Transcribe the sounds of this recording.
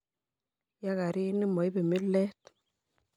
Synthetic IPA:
ja˦ka˨ɾi˦ni˦mo˨jbe˨mi˦lːɛ˦t

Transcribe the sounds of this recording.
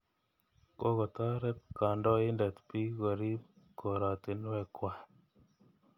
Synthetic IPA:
ko˦kɔ˨ta˦ɾɛ˦p̚ka˨ndɔ˦i˦nda˨tpi˦kɔ˨ɾi˦p | ko˨ɾa˨te˨n˦wɛ˧kwa˨

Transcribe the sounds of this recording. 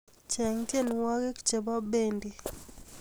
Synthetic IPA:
t͡ʃɛ˨ŋtje˦˨n˨wa˦ke˦kt͡ʃe˨ba˦be˦ndi˨

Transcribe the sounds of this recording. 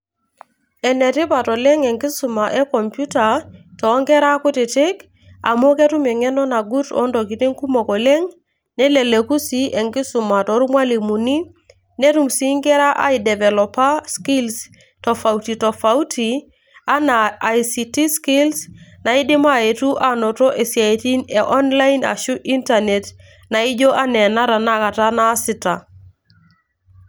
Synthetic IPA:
ɛ˨nɛ˨tɪ˦pa˨tɔ˨lɛ˦ŋɛ˨ŋɡɪ˦su˨ma˨ʔɛ˦kɔ˨mpju˦ta˨tɔ˨˦ŋɡɛ˦ɾa˦kʊ˦tɪ˨tɪ˦k | a̰˨mo˦kɛ˦tu˦mɛ˨ŋɛ˦nɔ˦na˨ɡu˦tɔ̰˦ndɔ˨k̬i˨tɪ˦ŋku˦mɔ˨kɔ˨lɛ˦ŋ | nɛ˦le˨le˨ku˦si˦ʔɛ˨ŋɡɪ˦sʊ˨ma˨tɔ˨ɾu˦mwa˦li˨mu˨ni˦ | ne˦tu˨msi˦ŋɡɛ˦ɾa˦ʔa̰˨˦i˨dɛ˨vɛ˨lɔ˨pa˦ski˦ls | tɔ˨fa˨u˨ti˨tɔ˨fa˨u˦ti˨ | a˦na˨a˨i˨si˨ti˦ski˦lsna˨i˦dɪ˦ma˦e˨tu˦ʔa˨no˨tɔ˦ʔe˨sja˨e˨ti˦ne˨ʔɔ˦nla˦ina̰˨ʃu˦i˦nta˨ne˨t | na˨i˦d͡ʒo˦ʔa˦nɛ˨na˦ɾa˨na˦ka˨ta˦na˦sɪ˨ta˨

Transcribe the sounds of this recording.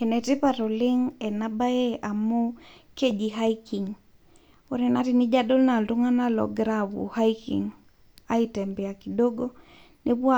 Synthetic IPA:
e˨nɛ˨ti˦paɾo˨lɪ˦ŋɛ˨naba˦e˦a˨mu˦ | ke˦d͡ʒi˨ɦa˦iki˨ŋ | o˦ɾi˦na˦ti˦ni˦d͡ʒa˦do˦lna˨ltu˦ŋa˦na˦lɔ̰˨ɡɾawṵ˨ha˦ikḭŋ | a˦itɛ˨mbɛ˨a˨ki˨do˦ɡo˦ | ni˦bwa˦

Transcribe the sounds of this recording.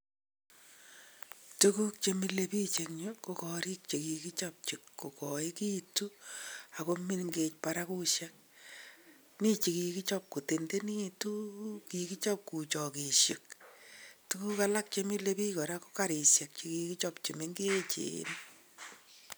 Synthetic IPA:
tu˦ku˦k̚t͡ʃe˧mi˦le˨pi˦t͡ʃe˨kɲo˦ko˦kɔ˨ɾi˦k̚t͡ʃe˨ki˨ki˦t͡ʃɔp̚t͡ʃi˨kːo˨kɔ˨i˦ki˦tu˦a˨ko˦mi˦nŋɡe˦t͡ʃpa˨ɾa˦ku˦ʃa˦k̚ | ni˦t͡ʃi˨ki˨ki˦t͡ʃɔ˦p̚ku˨te˨nde˦ni˦tu˦ki˨ki˦t͡ʃɔ˦p̚ku˨t͡ʃɔ˨ki˨ʃe˨k | tu˦ku˦ka˦la˦k̚t͡ʃe˦mi˦le˦pi˦kɔ˨ɾa˦ko̥˦ka˦ɾi˨sja˨k̚t͡ʃi˨kiki˦t͡ʃɔ˦p̚t͡ʃe˨mi˦ŋɡe˦t͡ʃḛ˨˦n

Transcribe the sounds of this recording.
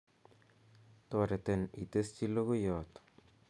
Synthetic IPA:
tɔ˨ɾe˨tenḭ˨te˦st͡ʃi˦lo˦ɣo˦jɔːt̪

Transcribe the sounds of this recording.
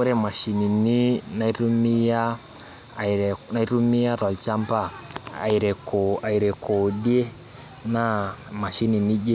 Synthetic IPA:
u˦ɾɛ˦ma˨ʃi˨ni˨ni˦na˨i˦ɾu˦mi˦ja˦˨ | ɾna˨i˦ɾu˦mi˦ja˦ɾa˨lt͡ʃa˦mba˦˨a̰˨i˨ɾɛ˨kɔa˨i˨ɾɛ˨kɔ˨ɗi˦e˦ | na˦ma˨ʃi˦ni˨ni˦d͡ʒe˦

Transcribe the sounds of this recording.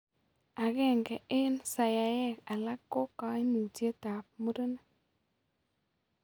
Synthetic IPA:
a˨ɣɛ˦˨ŋɡɛ˨ʔɪ˦nsa˨ja˨jɛ˦˨ka˨la˦kːo˦ka˦ɪ˦nu˨tje˦ta˨p̚mu˦ɾo˦n˦

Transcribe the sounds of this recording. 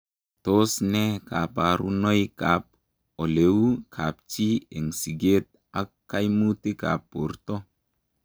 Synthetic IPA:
to˦snɛ˦ka˨pa˨ɾṵ˦no˦jka˨p̚ | o˨le˨wu˦kʰa˨p̚t͡ʃi˦e˨ŋsi˨ɡe˦t̪̚ | a˦kːa˦jmu˦ti˦ka̰˨pːo˨ɾto˦

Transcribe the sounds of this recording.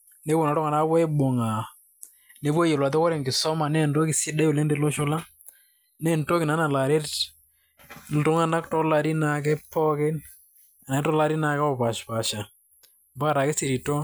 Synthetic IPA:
ne˦bʊ˨na˨ɾɔ˦ŋa˨na˦βɛ˦ɓɔ˨ŋa˨ | ne˨˦pɔ˦jɛ˨lwa˨t̬ɔ˦kɔ˦ɾɛ˨ŋɡɪ˨sɔ˦ma˨nɛ˦˨ndɔ˦kɪ˨si˦da˦jo˨lɛ˦ndɛ˦lɔ˦ʃʊ˦la˦ | nɛ˦˨ntɔ˦ki˨na˨˦na˨la˨ɾe˦t | ltʊ˦ŋa˦na˦ktɔ˦la˦ɾi˦na˨k̬ɛ˦pɔ˦kɪ˦n | a˨n˨ɛ˦tɔ˦la˦ɾi˦na˨kɛ˦ɔ˦˨pa˨ʃpa˨ʃa˨ | mba˦ɾa˨kɛ˦si˨ɾi˨tɔ˦

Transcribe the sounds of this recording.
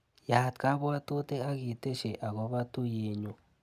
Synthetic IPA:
ja˨t̪ka˦βo˦a˦t̪u˦t̪e˦a˦ɣi˧t̪e˦ʃe˨ʔa˨ɣo˧˦βa˦t̪u˦je˧ɲũ˧˨

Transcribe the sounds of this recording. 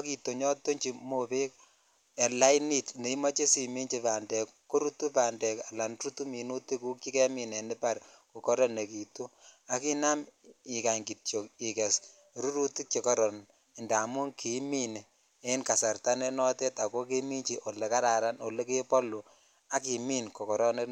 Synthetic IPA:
ki˨to˨ɲɔ˦tːo˦ɲt͡ʃi˨mo˨pe˦k | e˨la˦jni˦tne˨i˦mɔ˦t͡ʃe˦si˨mi˦ɲt͡ʃi˦pa˨ndɛ˨kkːo˦ɾu˦tu˦pa˨ndɛ˨ka˨la˨nɾu˦tu˦mi˨nu˦ti˦ku˦kt͡ʃi˦kɛ˦mi˨nɛ˨nɪ˦pa˦rko˨kɔ˦ɾɔ˦nːe˨ki˨tu˦a˦ki˦na˦mi˨ka˨ŋɡi˨tjo˨ki˨kɛ˨s | ɾu˦ɾu˦ti˦t͡ʃe˨kɔ˦ɾɔ˨n | ɛ˨nda˨mʊ˦ŋki˨mi˦ne˨ | e˦nka˨sa˨rta˦ne˦nɔ˦tɛ˦ta˨ko˦ke˦mi˦ɲt͡ʃi˦ʔo˨le˨ka˦ɾa˨ɾa˦no˨le˦ke˦pɔ˦lu˨ | a˦k̬i˨mi˦nkɔ˨kɔ˨ɾɔ˦ne˦

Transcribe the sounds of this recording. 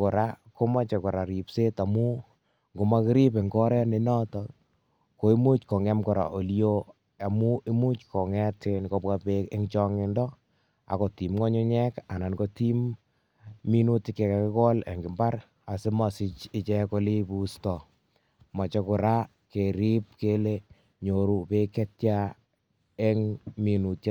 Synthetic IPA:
kʊ˨ɾa˦ko˦ma˦t͡ʃe˨kʊ˨ɾa˨ɾi˨pse˦ta˨mu˦ | ŋɡo˨ma˦kɪ˦ɾi˦pe˨ŋɡɔ˦ɾɛ˦ne˧nɔ˦tɔ | ko˨i˦mu˦t͡ʃkɔ˨ŋɛ˦mkɔ˨ɾa̰˨ʔo˨lijo˦ | a˨mu˦i˦mu˦t͡ʃkɔ˨ŋɛ˦te˨nko˧bwa˦peke˦ŋt͡ʃɔ˦ŋɪ˦ndɔ˦ | a̰˨ko˨ti˨mŋɔ˦ɲʊ˦ɲɛ˦ka˨na˨nko˦ti˦mː | i˦nu˦tɪ˦ke˨ka˨kɪ˦kɔ˦lḛ˨ŋɡɪ˨mba˦ɾ | a˨sɪ˦mɔ˨sɪ˧t͡ʃɪ˦t͡ʃɛ˦ko˧˦li˦pu˦stɔ˨ | ma˨t͡ʃɔ˦kʊ˨ɾa˦ | ke˨ɾi˦p̚ke˦le | ɲo˨ɾu˨pe˦kɛ˦tja˦ | e˦ŋmi˨nu˨tj

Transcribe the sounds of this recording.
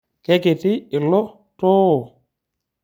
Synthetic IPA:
kɛ˦ke˨tɪ˦ɪ˨lɔ˦ | tɔː˦˨

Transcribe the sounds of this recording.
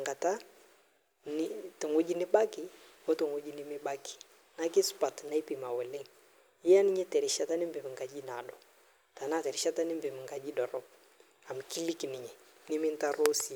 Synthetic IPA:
ŋɡa˨ta˦ | nɪ˦tɪ˨ŋo˦d͡ʒi˦nɪ˦ba˦kɪ˨ | wɔ˦tu˨ŋo˦d͡ʒi˦nɪ˦mɪ˦ba˦ki̥˨ | ŋa˦kɪ˦spa˨tna˦i˦pi˨ma˨wɛ˨le˦ŋ | ɪ˦a˦nɪ˦ɲɛ˦tɛ˨ɾɪ˨ʃa˦ta˦nɪ˦mbɪ˨mɪ˨ŋka˨d͡ʒi˦na˨dɔ˨ | ta˨na˦˨tɛ˨ɾɪ˨ʃa˦ta˦nɪ˦mbɪ˨mɪ˨ŋɡa˨d͡ʒi˦dɔ˨ɾɔ˦ | a˨m˨ki˦li˦knɪ˨ɲɛ˨nɪ˦mɪ˦nta˦ɾo˦si˨˦

